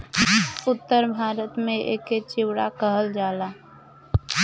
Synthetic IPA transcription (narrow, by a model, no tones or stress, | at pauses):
ʊt̪ːəɾbʱaːɾət̪mẽʔḛːket͡ʃɪwɽakəɦəld͡ʒaːlaː